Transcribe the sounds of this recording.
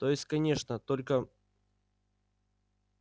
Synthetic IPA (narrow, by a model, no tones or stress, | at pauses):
t̪o̞jɪsʲtʲkɐnʲe̞ʂnət̪o̞lʲkə